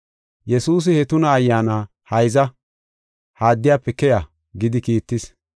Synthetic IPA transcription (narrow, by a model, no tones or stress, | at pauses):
jɛsuːs̬ɪhɛt̪ʊnɐːjːaːnaː | hɐjzɐ | haːd̪ːɪjaːpːɛkːɛja | ɡɪd̪ɪkiːt̪ːɪs